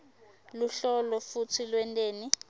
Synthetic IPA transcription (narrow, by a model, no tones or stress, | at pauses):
luɬɔlɔfutʰilwɛntʼeːni